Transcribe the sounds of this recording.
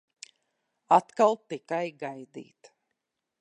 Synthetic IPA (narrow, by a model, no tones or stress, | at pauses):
at̪kalˠt̪ikajɡajd̪ḭːt̪